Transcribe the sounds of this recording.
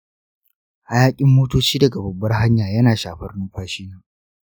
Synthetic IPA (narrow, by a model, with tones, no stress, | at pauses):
ʔa˨jaː˦kʲʼɪ˦mːoː˦toː˦t͡ʃiː˦dɐ˨ɡa˨bɐ˨bːɐ˦rɦa˦ɲjaː˨jɐ˦naː˨ʃaː˨ɸɐ˦rnuː˦ɸaː˨ʃiː˦naː˨